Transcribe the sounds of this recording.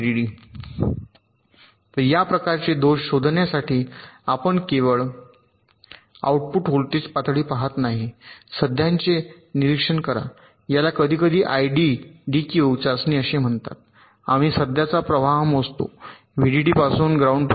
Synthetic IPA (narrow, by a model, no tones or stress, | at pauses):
iɽiː | t̪əɾjapɾəkaɾt͡ɕed̪oɕɕod̪ʱnjasaʈiːapəɳkeʋəɭ | a̰uʈ̚puʈɦolt̪iːt͡spat̪ɽiːpaɦat̪naɦisəd̪ʱjaɲt͡se | niɾikʂəɳkəɾa̰ | jalakəd̪ʱiːkəd̪ʱiːʔajɖiɖikjut͡sasniːəɕem̤əɳt̪a̰t̪̚ | a̰miːsəd̪ʱjat͡sapɾəʋaɦmost̪o̰ | ʋiɽiɽiːpasuːnɡɾauɳɖp